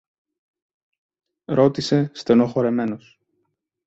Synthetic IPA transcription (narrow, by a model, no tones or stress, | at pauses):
ɾo̞t̪ise̞st̪e̞no̞xo̞ɾe̞me̞nos